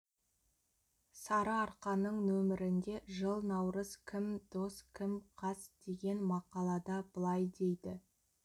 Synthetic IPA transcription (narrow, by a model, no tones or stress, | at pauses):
sɑɾəɑɾqɑnəɴnɵmɪɾɪnd̪e̞ʒəlˠnɑwɾəzkʲʰɪmd̪o̞skʲʰɪmqʰɑsd̪̥e̞ɡʲe̞nmɑqɑlˠɑd̪ɑbəlˠɑjd̪e̞jd̪ɪ